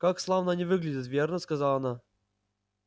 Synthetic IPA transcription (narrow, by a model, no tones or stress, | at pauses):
kakslˠavnanʲɪvɨɡlʲɪdʲɪt̪vʲernəskɐzɑlˠɐna